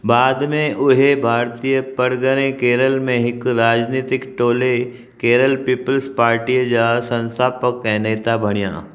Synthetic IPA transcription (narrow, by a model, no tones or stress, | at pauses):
baːd̪mẽʔʊɦebʱaːɾt̪ijəpəɾɡənẽkeːɾəlmẽɦɪkɾaːd͡ʒniːt̪ɪkʈoːle | keːɾəlpiːpəlspaːɾʈijd͡ʒasɐ̃nst̪ʰaːpəkːɛ̃neːt̪abʱɐɽ̃ijã̰ː